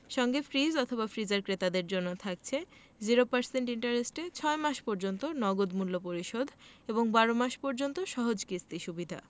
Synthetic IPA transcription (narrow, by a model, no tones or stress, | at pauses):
ʃɔŋɡefɾizɔt̪ʰobafɾid͡ʑaɾkɾet̪ad̪eɾd͡ʑonːot̪ʰak̚t͡ɕʰe | d͡ʑiɾopaɾseɳʈiɳʈaɾesʈet͡ɕʰɔemaʃpɔɾd͡ʑont̪onɔɡod̪mulːopoɾiʃod̪ʱeboŋbaɾomaʃpɔɾd͡ʑont̪oʃɔɦod͡ʑkist̪iʃubid̪ʱa̰